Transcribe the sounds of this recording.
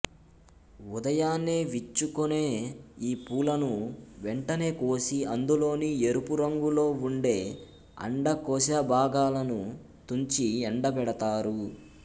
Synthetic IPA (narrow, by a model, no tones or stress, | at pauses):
ud̪ɐjaːnːeːʋit͡ʃːukune̞ːiːpuːlɐnuʋɛɳʈɐne̞ːko̞ːsiɐnd̪ulo̞ːnie̞ɾupuɾɐŋɡulo̞ːuɳɖe̞ː | ɐ̰ɳɖɐkɔːs̬aːbʱaːɡaːlɐnu | t̪uɲt͡ʃiɛɳɖɐbɛɽɐt̪aːɾu